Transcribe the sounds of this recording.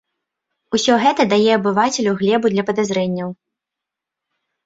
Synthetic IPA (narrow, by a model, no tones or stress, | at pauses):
usʲɔɣɛt̪ɐd̪ajɛɐbɨvat͡sʲɛlʲuɣlʲɛbud̪lʲɐpɐd̪azɾɛnʲːɐw